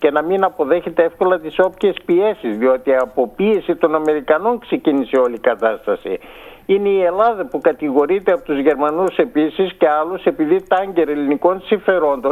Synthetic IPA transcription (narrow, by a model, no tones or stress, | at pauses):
ce̞nɐminɐpo̞ðe̞çe̞t̪e̞efko̞lɐt̪iso̞pçe̞spie̞sizðio̞t̪iɐpo̞pie̞sit̪o̞nɐme̞ɾikɐno̞ŋkse̞ciniseo̞likɐt̪ɐst̪ɐsḭ | ine̞ie̞lɐðɐpukɐt̪iɣo̞ɾit̪eɐpot̪uzʝe̞ɾmɐnuse̞pisisce̞ɐluse̞piðit̪ɐɲɟe̞ɾɐeliniko̞nsiɱfe̞ɾo̞nd̪o̞n